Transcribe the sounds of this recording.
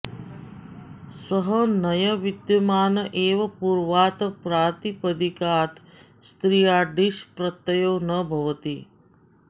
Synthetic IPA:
səɦɐnɐjɐʋid̪jɐmaːnɐʔeːʋɐpuɾʋaːt̪ɐpɾaːt̪ipəd̪ikaːt̪ | st̪ɾiːjaːɖiʃpɾɐt̪ːɐjoːnɐbʱɐʋɐt̪i

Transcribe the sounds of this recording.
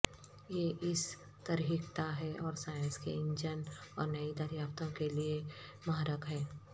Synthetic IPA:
jeːʔɪs | t̪ɐɾiikt̪aɦɛʔɔːɾsaːjə̃nskḛɪ̃ɲd͡ʒənɔ̰ːɾnɐid̪əɾjaːpt̪õkeliemaɦɾəkɦɛː

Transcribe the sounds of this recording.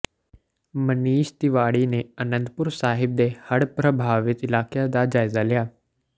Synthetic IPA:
məniːʃt̪ɪʋaːɽineənə̃nd̪pʊɾsaːɦɪb̚d̪ehəɽpɾəbʱaːʋɪt̪ɪlaːkjad̪ad͡ʒaːɪzalɪjaː

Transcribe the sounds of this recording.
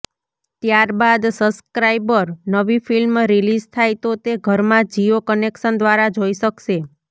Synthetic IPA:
t̪jaɾbad̪səbskɾajbəɾnəʋifilmɾilid͡ʒt̪ʰajt̪ot̪eɡʱəɾmãd͡ʒiokənekʃənd̪ʋaɾad͡ʒoiʃəkʃe

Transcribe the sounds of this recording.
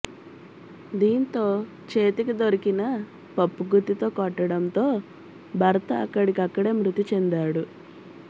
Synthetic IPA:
d̪iːnt̪o̞ː | t͡ʃeːt̪ikid̪oɾikinɐ | pɐpːuɡut̪ːit̪o̞ːkɔʈːɐɽɐnt̪o̞ː | bʱɐɾɐt̪ɐːkːɐɽikiɐkːɐɽe̞ːmɾut̪it͡ʃend̪aːɽu

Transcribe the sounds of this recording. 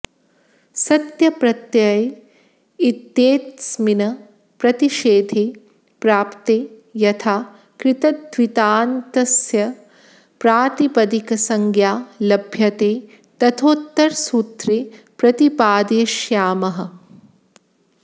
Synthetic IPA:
sɐt̪jɐpɾɐt̪jɐj | it̪jeːt̪sminɐ | pɾɐt̪iʃeːd̪ʱeː | pɾaːpt̪eː | jɐt̪ʰaː | kɾɪt̪ɐd̪ʋit̪aːnt̪ɐsjɐ | pɾaːt̪ipɐd̪ikɐsɐŋɡjaːlɐbʱjɐt̪eː | t̪ɐt̪ʰoːt̪ːɐɾsuːt̪ɾeːpɾɐt̪ipaːd̪eːʃjaːmɐɦɐ̆

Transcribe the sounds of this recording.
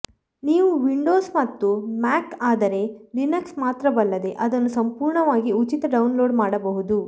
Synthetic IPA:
niːʋuʋiɳɖo̞ːsmɐt̪ːumaːkaːd̪ɐɾe̞ɖinɐksmaːt̪ɾɐbɐɭːɐd̪e̞ʔɐd̪ɐnːusɐmpuːɾɳɐʋaːɡiut͡ʃit̪ɐɖɐwunlo̞ːɖmaːɽɐbɐɦud̪u

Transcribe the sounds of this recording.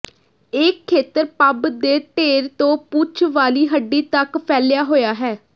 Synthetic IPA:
ɪkʰːeːt̪əɾpəbd̪eːʈeːɾt̪õːput͡ʃʰʋaːliːɦəɖːiːt̪əkpʰɛːlɪjaːɦoːjaːɦɛː

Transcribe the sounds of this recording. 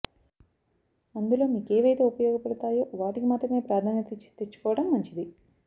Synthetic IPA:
ɐnd̪ulo̞ːmiːkeːʋɐjt̪eːupɐjɔːɡɐpɐɽɐt̪aːjo̞ːʋaːʈikimaːt̪ɾɐme̞ːpɾaːd̪ʱaːnɐt̪it͡ʃi̥t̪et͡ʃːu̥kɔːʋɐɽɐmːɐɲt͡ʃid̪i

